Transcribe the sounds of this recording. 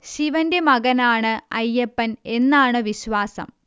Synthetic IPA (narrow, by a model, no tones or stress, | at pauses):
ɕiʋɐnde̞mɐɣɐnaːɳɨɐjːepːɐne̞nːaːɳɨʋiɕʋaːsɐ̰m